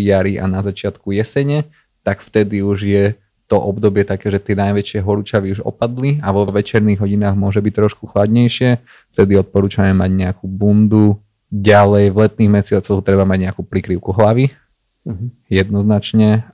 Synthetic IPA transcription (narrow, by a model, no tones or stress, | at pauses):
jaɾiʔa̰nazat͡ʃɪat̪kujɛsɛɲɛ | t̪akft̪ɛd̪iuʒjɛ | t̪ɔʔɔbd̪ɔbɪɛt̪akɛːʒɛt̪ɪɛnajʋɛt͡ʃɪɛɦɔɾut͡ʃaʋiuʒɔ̰pad̪liaʋɔʋɛt͡ʃɛɾniɣɦɔɟinaːɣmʊɔʒɛbic̚t̪ɾɔʃkuxlad̪ɲɛjʃɪɛ | ft̪ɛd̪iɔt̪̚pɔɾuːt͡ʃamɛmaɟɲɛakuːbund̪u | ɟalɛjvlɛt̪niːɣmɛsɪat͡sɔɣt̪ɾɛbamaɟɲɛakuːpɾikɾiʊkuɦlaʋi | jɛd̪nɔznat͡ʃɲɛ